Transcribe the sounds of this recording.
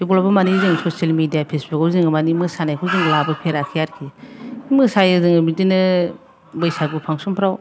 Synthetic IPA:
dibolabɐmaniziŋsosalmidijapʰesbukawziŋɡɯmanimɯsanajkʰuwziŋɡlabɯpʰeɾakʰijaɾkʰiimɯsajɯzɯŋɯbidinɯ | bɯjsaɡupʰaŋsumpʰɾaw

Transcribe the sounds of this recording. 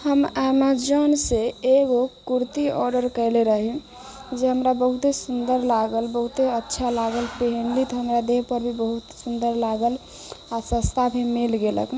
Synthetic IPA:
həmamad͡ʒənseeɡokuɾt̪iɔ̰ɾɖəɾkəɪleɾəɦi | d͡ʒeɦəmɾabəɦut̪ɦesund̪əɾlaɡəlbəɦut̪eətːʃʰalaɡəlpeɦənlit̪ɔɦəmɾad̪eɦpəɾbʱibəɦut̪sund̪əɾlaɡəl | asəst̪abʱimilɡelə̰k

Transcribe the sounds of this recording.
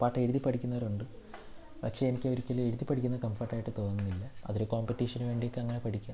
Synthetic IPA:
aːʈːeɾuðipːɐɽʰikʲːunːɐɾuɳɖɨ | pɐkʂe̞enikʲːɨoɾikʲːɐleɾuðipːɐʈʰikʲːunːɐkɐmfɐʈːaːjiʈːɨt̪o̞ːnːunːilːɐɐ̰ðiɾeko̞ːmpetːiːʂɐnuʋe̞ːɳɖijokːɨɐŋːɐnepɐʈikʲːa

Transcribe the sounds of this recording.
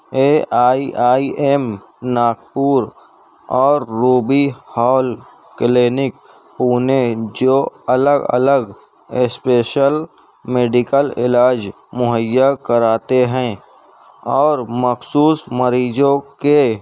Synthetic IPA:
eːʔaːiʔaːiʔem | naːk̚puːɾ | ɔːɾːuːbihɔːl | kleːnɪk̚ | puːned͡ʒoːələɡə̰ləɡ | ɪspeːʃəl | meːɖɪkəlɪ̰laːd͡ʒ | mʊɦəjːakəɾaːt̪eɦɛ̃ː | ɔːɾməxsuːsməɾiːd͡ʒõke

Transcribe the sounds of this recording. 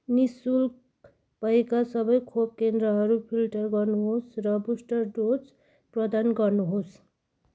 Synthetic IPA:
nisul | pʌjkasʌbʌjkʰob̚kend̪ɾʌɦʌɾupʰilʈʌrɡʌrnuɦosrʌbusʈʌrɖod͡z | prʌd̪anɡʌrnuɦos

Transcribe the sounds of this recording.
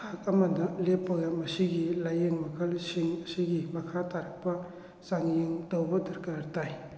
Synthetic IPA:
kʰak̚ɐmɐnɐlepːɐɡɐmɐsiɡilajeŋmɐkʰɐlsiŋsiɡimɐkʰataɾɐk̚pɐ | saŋjiŋtɐwbɐdɐɾkaɾtaj

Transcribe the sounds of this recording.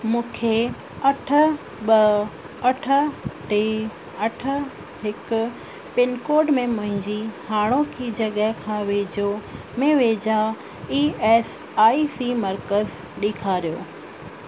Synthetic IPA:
mũːkʰe | ɐʈʰə̆ | ɓɐ | ɐʈʰə̆ʈe | ɐʈʰə̆ | ɦɪkʊ | pɪnkoːɾɖmẽmɐ̃ɦɪ̃ɲd͡ʑihaːɽ̃okʰid͡ʑɐɠəɦkʰãːʋeːd͡ʑo | mẽʋeːd͡ʑa | iːeːs | aːisimɐɾkəz | ɗikʰaːɾijoː

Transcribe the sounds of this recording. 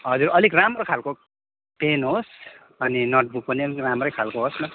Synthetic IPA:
ɦʌd͡zuɾʌlikramrokʰalko | penɦos | ʌninʌʈ̚buk̚pʌniʌlkramrʌjkʰalkoɦosnʌ

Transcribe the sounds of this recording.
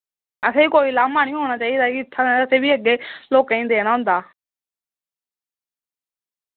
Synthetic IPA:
əseːiːkoːiːlaːmaːnɪ̃jũɦoːɽ̃aːt͡ʃaːid̪aːt̪ʰːãəseːbʱiːəɡeːloːkːĩːnd̪eeñaɦʊ̃nd̪aː

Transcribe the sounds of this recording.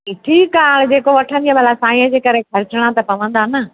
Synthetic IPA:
ɪʈʰikaːɽ̃d͡ʑeːkoʋɐʈʰə̃nd̪ijabʱalasãːĩə̃d͡ʑeːkɐɾekʰɐɾɪt͡ɕɪɽ̃ãt̪ɐpɐʋə̃nd̪aːnɐ

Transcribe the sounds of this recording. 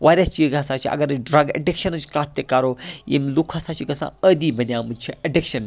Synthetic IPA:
ʋaːɾʲɐst͡ʃiɡasaːt͡ʃʰiɐ̰ɡɐɾɖɾɐɡɐ̰ɖikʃɐnɨt͡ʃkɾaːt̪ːjekaɾojḭmlukʰasat͡ʃʰiɡɐsã̰əd̪ibɐnʲjamɨnʲt͡ʃʰiɐɖikʃɐn

